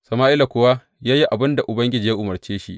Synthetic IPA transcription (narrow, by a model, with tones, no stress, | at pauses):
sɐ˨maː˦ʔɪ˦la˨kʷʊ˨wa˦ | jaː˦ji˦ʔa˨bɪ˦nda˨ʔʊ˨bɐ˦ŋɡʲɪ˦d͡ʒiː˨ja˦ʔʊ˨mɐ˨rt͡ʃeː˦ʃi˦ʔ